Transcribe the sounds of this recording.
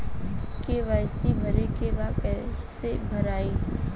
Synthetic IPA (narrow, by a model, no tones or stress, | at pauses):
keʋaːjsibʱəɾekebakɛsebʱəɾaːiː